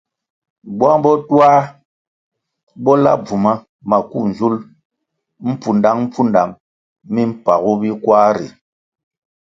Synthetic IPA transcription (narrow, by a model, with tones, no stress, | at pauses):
ba˦ŋbɔ˦twa˦ | bɔ˦la̰˦b͡vu˨ma˦ | ma˨ku˦˨n˨zu˦l | m̩˦pu˨nda˦ŋm̩˦pu˦nda˨mː | i˦m̩˦˨pa˨ɣu˦bi˦kwaː˦ɾḭ˨